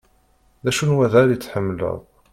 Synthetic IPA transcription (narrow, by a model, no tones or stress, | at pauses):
ðæʃunwæðæɾət͡sːħəmːlə̰ðˤ